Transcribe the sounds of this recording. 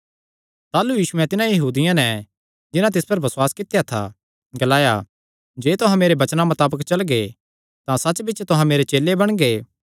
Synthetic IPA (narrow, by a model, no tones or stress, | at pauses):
t̪aːlujiːʃʊɛ̃t̪ɪnãjɐɦuːd̪ɪjãnɛ | d͡ʒɪnãt̪̬ɪspɐɾbɐswaːskɪt̪jat̪ʰa̰ | ɡɐlaːja̰ | d͡ʒeːt̪ʊɦãmeːɾebɐt͡ʃnamɐt̪aːbəkt͡ʃɐlɡe | t̪ãsɐːt͡ʃbɪːt͡ʃt̪ʊɦãmeːɾet͡ʃeːlːebɐɽ̃ɡeː